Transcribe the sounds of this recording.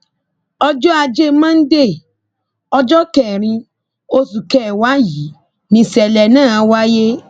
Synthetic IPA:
ɔ˧d͡ʒɔ˦a˧d͡ʒe˦mã˦n̩˦de˦˨ | ɔ˧d͡ʒɔ˦kɛ˨ɾ̃ĩ˧ | o˧su˨kɛ˦˨wa˨˦ji˨˦ | nĩ˧sɛ˨lɛ˨nãː˦˨a˧wa˦je˦

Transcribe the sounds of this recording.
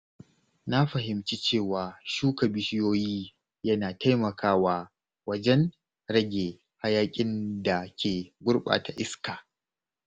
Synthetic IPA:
na˦ɸɐ˨ɦɪ˨mt͡ʃi˦t͡ʃeː˦˨waː˨ʃuː˦kɐ˨bɪ˦ʃɪ˦joː˦jiː˦ | jɐ˦naː˨ta˦jmɐ˨kaː˦waː˦ | wɐ˦d͡ʒɛ˦n | ɾɐ˦ɡʲeː˨ | ha˦jaː˦kʲʼɪ˦nda˨kʲeː˨ɡʷʊ˦ɽɓa̰ː˨ta˨ʔɪ˦skaː˨

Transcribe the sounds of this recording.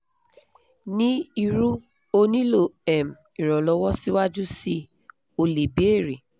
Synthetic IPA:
nĩ˦i˧ɾu˦ | o˦nĩ˦lo˨ɛ˨m̩˨ | i˨ɾɔ˨lɔ˧˦wɔ˦si˦wa˦d͡ʒu˦si˦ | o˨le˨be˨˦˨ɾi˨

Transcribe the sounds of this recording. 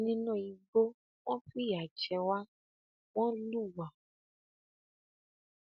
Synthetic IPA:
nĩ˦nɔ̃˦˨ji˨ɡ͡bo˦ | w̃ɔ̃˦ɸi˦ja˨d͡ʒɛ˨wa˦ | wɔ̃˦lu˦˨wa˨

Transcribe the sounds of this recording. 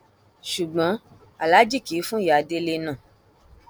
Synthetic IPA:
ʃu˨ɡ͡bɔ̃˨˦ | a˨la˨˦d͡ʒi˦˨ki˨˦fũ˦ja˨de˧le˧nã˦˨

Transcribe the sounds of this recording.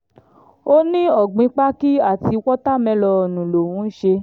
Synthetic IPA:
o˦nĩ˦ɔ˦˨ɡ͡bĩ˧k͡pa˦ki˦a˦˨ti˧wɔ˦ta˦˨mɛ̃˧lɔ˧ɔ˨nũ˨lo˨wũ˨˦ʃe˧

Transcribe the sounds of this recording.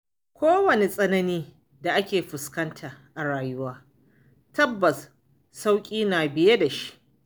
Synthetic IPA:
kʷoː˦wɐ˨ne˨sʼɐ˦nɐ˦niː˦ | da˨ʔa˦kʲeː˨ɸɪ˨skɐ˦ntʰaː˨ʔa˨ɽaː˨jʊ˦waː˦ | tɐ˦bːɐ˨sː | a˦wkʲʼiː˦naː˨bɪ˨je˦da˨ʃi̥˦ʔ

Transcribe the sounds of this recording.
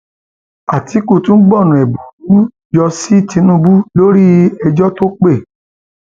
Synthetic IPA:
a˨ti˨˦ku˦˨tũ˦ɡ͡bɔ˦˨nũ˨ɛ˨bu˨u˨˦ | d͡ʒɔ˧si˦ti˧˦nũ˦˧bu˦lo˦ɾi˦ɛ˧d͡ʒɔ˦to˦k͡pe˦˨

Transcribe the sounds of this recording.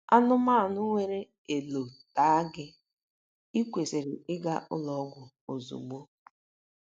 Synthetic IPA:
a˦nʊ˦ma˦˨nʊ˦ŋʷe˦ɾe˦ | e˨lo˨ta˦a˦ɡɪ˦ | i˦kʷe˨se˨ɾɪ˨ɪ˦ɡa˦ʔʊ̰˦lɔ˦ɡʷʊ˨ | o˨zṵ˨ɡ͡bo˦

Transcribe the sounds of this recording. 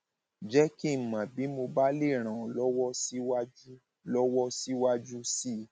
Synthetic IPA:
d͡ʒɛ˦ki˦˨mã˨bi˨˦mo˧ba˦le˦˨ɾ̃ã˨ɔ˨lɔ˦wɔ˦si˦wa˦d͡ʒu˦ | lɔ˦wɔ˦si˦wa˦d͡ʒu˦si˦˨

